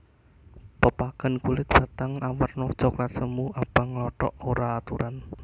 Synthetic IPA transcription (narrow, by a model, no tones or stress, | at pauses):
pəpaɡ̥a̤nkulɪt̪̚b̥a̤t̪aŋawərnɔt͡ʃɔklat̪səmuabaŋlɔʈɔ̰ʔoɾaːt̪uɾan